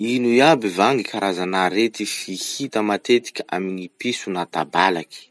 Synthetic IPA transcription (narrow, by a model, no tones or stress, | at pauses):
inujabivaŋɡikʰaɾʔazanaɾet̪ifihit̪əmat̪et̪i̥kʲəʔa̰minipisunat̪abalaki̥